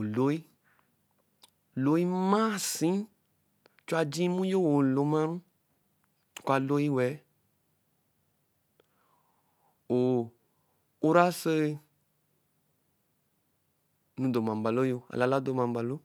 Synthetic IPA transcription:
lo˦i˦ | lo˨˦ji˦mã˦sĩ˦ | t͡ʃo˦a˧d͡ʒĩ˦mũ˦jo˦wo˨lo˨˦mã˦ɾũ˦˨ | ko˦a˨lo˦i˦wɛ˨˦ | wo˨ | u˦ɾa˦se˦˧ | nũ˧do˨mã˨m˨ba˨lo˦jo˧a̰˨la˨la˦d̪o˨mã˨m˨ba˨lo˦

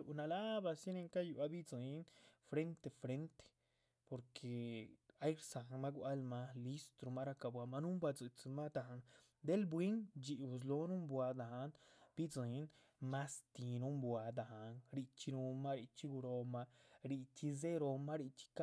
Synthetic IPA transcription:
u˨ʔna˧la˦ba˧si˦ne˧ŋka˦ju˧a˦bi˦d͡zi˨˧˦nfɾe˦nt̪e˧fɾe˦nt̪e̥˨ | po˨ɾkʰe˨a˦jɾsa˨ŋma˦ɡwa˦lma˧li˦st̪ɾo˧ma˦ɾa˧ka˧bwa˧ma˧nu˦mbwa˧d͡zɨ˧t͡si˧ma˦d̪a˧˨a˧n | d̪e˦lbwi˦ŋd͡ʒi˨u˧˨z̬lo˧˦nu˦mbʷwa˧d̪a˨a˧nbi˦d͡zɨ˨˦n | ma˦st̪i˨nu˦mbwa˨˧d̪a˨ha˨nɾi˧t͡ʃi˧nu˧ma˦ɾi˧t͡ʃi˧ɡu˧ɾo˧ma˧ɾi˧t͡ʃi˧ze˦ɾo˧ma˦ɾi˧t͡ʃi̥˧ka˦

